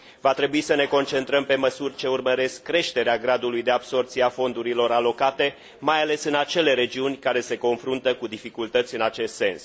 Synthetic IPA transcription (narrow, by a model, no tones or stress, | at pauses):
vat̪ɾe̞buisəne̞ko̞nt͡ʃe̞nt̪ɾəmpe̞məsurʲt͡ʃe̞urməɾe̞skːɾe̞ʃt̪e̞ɾeaɡɾad̪ulujd̪e̞abso̞rt̪sijafo̞nd̪uɾilo̞ɾalo̞kat̪e̞ | majale̞sɨnat͡ʃe̞le̞ɾe̞d͡ʒiunʲkaɾe̞se̞ko̞nfɾunt̪əkud̪ifikult̪ət̪sʲɨnat͡ʃe̞st̪se̞ns